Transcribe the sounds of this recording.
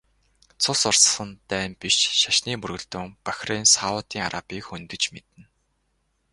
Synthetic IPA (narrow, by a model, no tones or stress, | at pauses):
t͡sʰʊsʊrsχə̆nt̪ːæːmpiʃʃaʃniːpɵrɣɵ̆ɮt̪ɵ̆ŋpḁxʲrensaʊt̪iːŋa̰ɾʔapʲiːkxɵnt̪ɵ̆t͡ɕmet̪ɘ̆n